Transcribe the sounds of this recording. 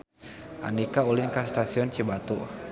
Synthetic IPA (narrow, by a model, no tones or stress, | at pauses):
ʔa̰ndikaulinkast̪asiɔnt͡ʃəbat̪u